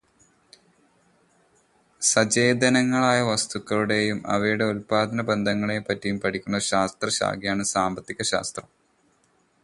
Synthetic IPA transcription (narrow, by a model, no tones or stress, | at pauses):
sɐd͡ʑeːd̪ɐnɐŋːɐɭaːjɐʋɐst̪ukːɐɭuɽe̞jumɐ̰ʋɐjuɽe̞ulpaːd̪ʱɐnɐbe̞nd̪ʱɐŋːɐɭepːɐtːijumpɐʈʰikʲːunːɐɕaːst̪rɐɕa̰ːɡijaːɳɨsaːmbɐt̪ːikʲːɐɕa̰ːst̪rɐm